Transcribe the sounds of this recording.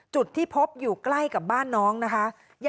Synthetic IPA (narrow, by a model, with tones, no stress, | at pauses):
t͡ɕu˨˩t̪ʰːiː˥˩pʰo˦˥p̚juː˨˩kla˥˩jka˨˩p̚baː˥˩nːɔː˦˥ŋna˦˥kʰa˦˥ | j